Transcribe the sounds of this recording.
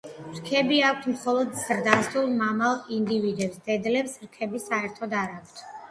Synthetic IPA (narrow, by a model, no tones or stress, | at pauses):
ɾkʰɛbiak̚ʷʰt̪ʰmχɔlˠɔd̪z̥ɾd̪ast̪ulˠmamalˠind̪ivid̪ɛpsd̪̥ɛd̪lɛpsɾkʰɛbisaɛɾt̪ʰɔd̪aɾakʰt̪ʰ